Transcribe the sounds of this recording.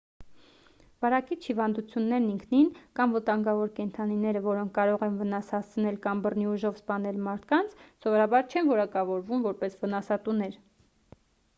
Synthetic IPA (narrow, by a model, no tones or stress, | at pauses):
vɑɾɑkit͡ʃʰhivɑnd̪ut͡sʰjunːɛɾniŋkʰninkɑmvət̪ɑŋɡɑvɔɾkɛnt̪ʰɑninɛɾəvɔɾɔŋkʰkɑɾɔʁɛnvənɑshɑst͡sʰnɛlkɑmbərniuʒɔvspɑnɛlmɑɾt̪ʰkɑnt͡sʰsɔvɔɾɑbɑɾt͡ʃʰɛnvɔɾɑkɑvɔɾvumvɔɾpɛsvənɑsɑt̪unɛɾ